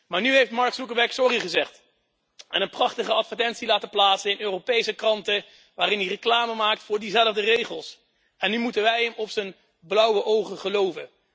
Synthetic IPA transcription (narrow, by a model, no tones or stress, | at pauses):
maːɹnyɦejftmɑɹksukəbɛksɔriχəzɛχt | ɛnənprɑχtəχəɑtfəɹtɛntsilaːtəplaːtsəɪnøːropejsəkrɑntə | ʋaːɾɪnirəklaːməmaːktfʊːɹdizɛləvdərejχəlˠs | ɛnːymutənʋɛjɦəmɔpsən | blʌwəʔowχəχəlowvə̰